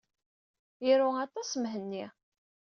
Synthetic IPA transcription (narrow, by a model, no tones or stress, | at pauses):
jiɾuɑt̪ˤɑsmɦənːi